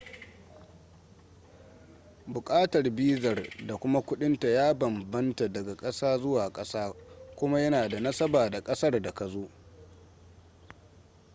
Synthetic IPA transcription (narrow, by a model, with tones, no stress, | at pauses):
bʊ˨kʼaː˦tɐ˨rbiː˦zɐ˨rda˨kʷʊ˦ma˦kʷʊ˦ɗɪ˦nta˨jaː˦bɐ˨mbɐ˦nta˨dɐ˨ɡa˨kʼɐ˦saː˦zʊ˦waː˨kʼɐ˦saː˦kʷʊ˦ma˦jɐ˦naː˨da˨nɐ˦sɐ˦baː˨da˨kʼɐ˦sɐ˦rda˨ka˨zoː˦ʔ